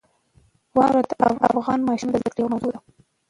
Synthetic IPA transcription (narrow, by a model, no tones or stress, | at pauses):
wɑɾad̪ʔa̰fa̰fɣɑnmɑʃumd̪əzd̪əkɽewmazod̪a